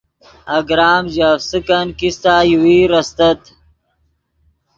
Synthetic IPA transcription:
ɐɡɾaːmʑafsɨkankist̪aːjiwiːɾɐst̪ɐt̪

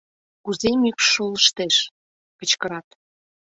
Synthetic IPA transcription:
kuzemykʃoləʃt̪eʃ | kət͡ɕkəɾɑt̪

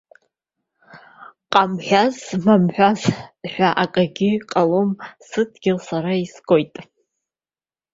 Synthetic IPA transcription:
qʼamħʷᶣazmamħʷᶣazħʷᶣaʔakʼaɡʲɪqʼalomsɨtʰʼɡʲɪlsaɾaisɡ̥o̞jtʼ

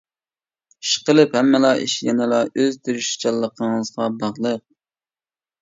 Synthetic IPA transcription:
ʃqəlˠɨphɛmːɨlˠɑʔḭʃjɛnɪlˠɑøzd̪yɾyʃi̥t͡ʃʰɑlˠːəqʰəŋɨzʁɑbɑʁlˠəq̚

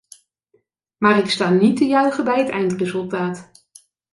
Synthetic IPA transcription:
maːrɪkstaːnitːəjœɥχəbɛjɦətɛ̰jntrɪzɵlˠtaːt

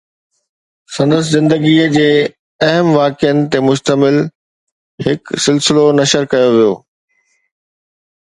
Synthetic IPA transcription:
sɐ̃nd̪əs̬ɪzɪ̃nd̪əɡiəd͡ʑeː | ɐɦəmʋaːkɪjənɪ̆t̪emʊʃt̪əmɪl | hɪksɪlsɪlonɐʃəɾkɐjoʋijo̰ː

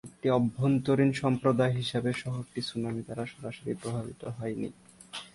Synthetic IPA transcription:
ek̚ʈiɔbʱːont̪oɾinʃɔmpɾod̪aeɦiʃabeʃɔɦok̚ʈisunamit̪aɾaʃɔɾaʃoɾipɾobʱabit̪oɦɔenḭ

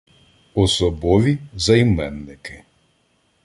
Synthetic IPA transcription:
ɔsɔbɔʋʲizɐjmɛnːɪkɪ

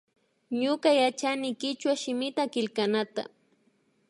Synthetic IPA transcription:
ɲʊkajat͡ʃanɪkɪt͡ʃwaʃɪmɪt̪akɪlkanat̪a̰

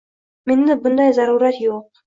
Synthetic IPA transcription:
mend̪ɪbɯnd̪ɑjzɑɾuːɾɑt̪joq̚

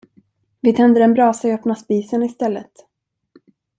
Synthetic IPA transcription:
vɪt̪ʰɛnd̪əɾɛnbɾɑːsaœpnaspiːsənɪst̪ɛlːət̪

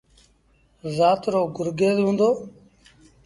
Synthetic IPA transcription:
zaːt̪ɾoːɡʊɾɡeːzɦũːnd̪oː

